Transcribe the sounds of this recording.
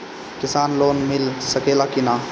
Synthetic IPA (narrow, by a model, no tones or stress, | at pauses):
kɪsaːnloːnmɪlsəkeːlakina